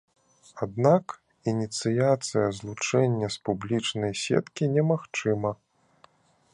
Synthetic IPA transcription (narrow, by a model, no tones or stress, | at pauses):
ad̪nak | inʲit̪sɨjat̪sɨjɐzlˠut͡ʂɛnʲːɐspublʲit͡ʂnɐjsʲɛ̰t̪kʲinʲɛmaxt͡ʂɨmɐ